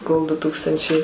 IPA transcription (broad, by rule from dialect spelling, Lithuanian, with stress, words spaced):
koːlˠ dʊ ˈtuːkstɐnʲt͡ʃʲɛɪ